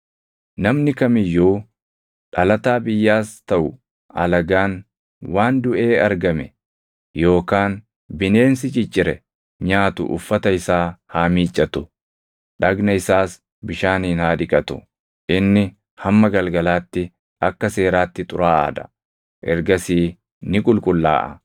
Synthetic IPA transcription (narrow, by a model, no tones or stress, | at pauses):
nɐmnɪkɐmɪjːuː | ᶑɐlɐt̪aːbɪjːaːst̪ɐʔʊ | ɐ̰lɐɡaːn | waːnd̪ʊʔeːɐɾɡɐmɛ | jo̞ːkaːn | bɪneːnsɪt͡ʃʼɪt͡ʃʼːɪɾɛ | ɲaːt̪ʊ̰ʔʊ̰fːɐt̪ɐɪsaːhaːmiːt͡ʃʼːɐt̪ʊ | ᶑɐɡnɐɪsaːs | bɪʃaːniːnhaːᶑɪkʼɐt̪ʊ | ʔɪnːɪ | hɐmːɐɡɐlɡɐlaːt̪ːɪ | ɐkːɐse̞ːɾaːt̪ːɪt̪ʼʊɾaːʔa̰ːd̪ɐ̰ | ʔɛɾɡɐsiː | nɪkʼʊlkʼʊlːa̰ːʔɐ̰